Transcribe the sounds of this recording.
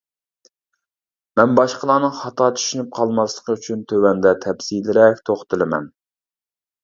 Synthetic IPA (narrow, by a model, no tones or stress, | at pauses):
mɛnbɑʃqəlˠɑːnɨŋχɑt̪ʰɑt͡ʃʰy̥ʃynyp̚qʰɑlˠmɑslˠəqʰəyt͡ʃʰynt̪ʰøwɛnd̪ɛt̪ʰɛpsilɪɾɛkʲt̪ʰoχt̪ʰɨlˠɪmɛ̰n